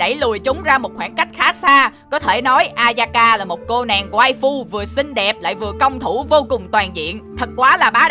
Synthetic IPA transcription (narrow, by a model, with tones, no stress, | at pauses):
ɗə˧˩jlɨ˨˩əjt͡ɕʊ˨˦ŋ͡mzaː˧mo˨˩t̚xwaː˧˩ŋka˦˥k̟̚xaː˨˦saː˧kɔ˨˦t̪ʰe˧˩nɔ˨˦jʔaː˧zaː˧kaː˧laː˨˩mo˨˩t̚ko˧naː˨˩ŋku˧˩əʔaː˧jfu˧vɨ˨˩əsï˧ŋ̟ɗɛ˨˩p̚la̰ː˧˨jvɨ˨˩əkə˧wŋ͡mt̪ʰu˧˩vo˧kʊ˨˩ŋ͡mt̪waː˨˩nzḭ˧˨ənt̪ʰə˨˩t̚kːwaː˨˦laː˨˩ɓaː˨˦